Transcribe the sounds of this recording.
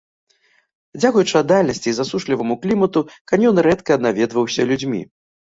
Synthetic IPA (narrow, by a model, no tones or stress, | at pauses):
d͡zʲakujut͡ʂɨɐd̪alʲnɐsʲt͡sʲizasuʂlʲivɐmuklʲimɐt̪ukanʲjɔnɾɛt̪kɐd̪navʲɛd̪vɐwsʲɐlʲud͡zʲmʲḭ